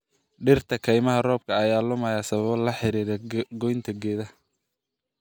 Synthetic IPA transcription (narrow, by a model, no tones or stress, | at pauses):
ɖɪrt̪ʰɐkʰɛjmɐɦɐrɔːb̚kʰɐːjaːlʊmɐjaːsɐβɐβɔlɐħɪɾiːɾɛɡɔjnt̪ʰɐɡɛːðɐ